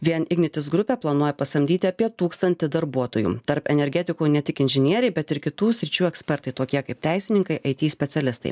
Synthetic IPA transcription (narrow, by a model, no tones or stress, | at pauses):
ʋʲiɛnɪɡnʲɪt̪ʲɪs̬ɡɾʊpʲeːplˠɐnuɔjɛpɐst̪ɐmʲd̪ʲiːt̪ʲɪɐpʲiɛt̪uːkst̪ɐnʲt̪ʲɪd̪ɐɾbuɔt̪oːjṵːt̪ɐɾpɛnʲɛɾʲɡʲɛt̪ʲɪkuːnʲɛt̪ʲɪkɪnʲʒʲɪnʲiɛɾʲɛɪbʲɛt̪ɪɾkʲɪt̪uːsʲɾʲɪt͡ʃʲuːɛksʲpʲɛɾt̪ɐɪt̪oːkʲiɛkɐɪp̚t̪ʲæˑɪsʲɪnʲɪŋkɐɪʔɐɪt̪ʲiːsʲpʲɛt̪sʲɛlʲɪst̪ɐ̰ɪ